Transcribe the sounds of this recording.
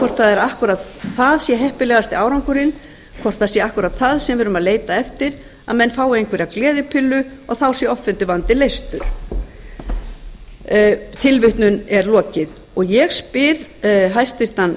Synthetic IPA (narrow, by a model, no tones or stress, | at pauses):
kʰɔr̥t̪θaðɛɾahkʏɾat̪θaðsjɛɦɛhpɪlɛːɣast̪ɪaːwɾawŋkʏɾɪn | kʰvɔr̥t̪θasjɛahkʏɾat̪θaðsɛmvɪɾʏmaðleːjt̪aɛft̪ɪɾ | aðmɛnːfaːwɪejnkvɛɾaklɛːðɪpʰɪlːʏɔɣθawsjɛɔfːɛnt̪ʏvant̪ɪlejst̪ʏɾ̥ | t̪ʰɪlvʏht̪nʏnɛɾlɔːcɪð | ɔɣjɛɣspɪɾ̥ɦajst̪vɪɾ̥t̪an